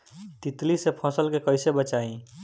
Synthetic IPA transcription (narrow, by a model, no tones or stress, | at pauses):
t̪it̪lisepʰɔ̃səlkekəɪsebət͡ʃaĩ